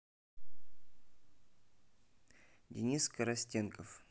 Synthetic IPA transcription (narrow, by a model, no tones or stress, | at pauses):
dʲɪ̰nʲiskəɾɐsʲtʲenkəf